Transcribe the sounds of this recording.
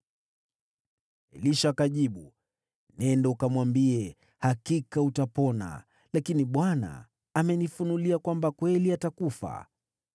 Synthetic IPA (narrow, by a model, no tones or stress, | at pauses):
liʃaːkaʄiɓu | nɛndɛukamwambiɛ | hakikautapɔna̰ | lakiniɓwana̰ː | mɛnifunuliakwambakwɛliatakufa̰